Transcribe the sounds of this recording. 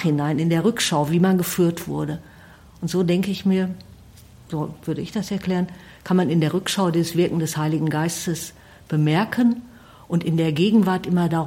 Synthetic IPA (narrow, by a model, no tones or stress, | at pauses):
hɪnaɪnɪndeːɐʁʏkʃaʊviːmanɡəfyːɐtv̥ʊ̰ɐɾə | ʔʊntz̥oːdɛŋkəɪçmiːɐ | z̥oːv̥ʏɐɾəɪçd̥asɛɐkl̥ɛːʁən | kʰanmanɪndeːɐʁʏkʃaʊdiːzəsv̥ɪɐkŋ̩dɛshaɪlɪɡŋ̩ɡaɪstəs | b̥əmɛɐkʰən | ʔʊntɪndeːɐɡeːɡŋ̩vaɐtʔɪmɐda